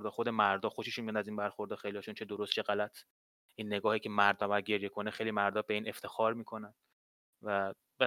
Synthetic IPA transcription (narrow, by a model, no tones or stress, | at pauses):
ɾd̪ɒːxod̪e̞mæɾd̪ɒːxo̞ʃeʃunmijænæziːnbæɾxoɾd̪ɒːxejliɒʃunt͡ʃʰed̪oɾost̪t͡ʃʰeɣælæt̪ʰ | iːnːe̞ɡɒːhiːcʰe̞mæɾd̪ɒbæd̪̚ɟe̞ɾje̞kʰo̞nexejlimæɾd̪ɒːbe̞iːne̞ft̪ʰe̞xɒːɾmiːkʰo̞næn | væ | be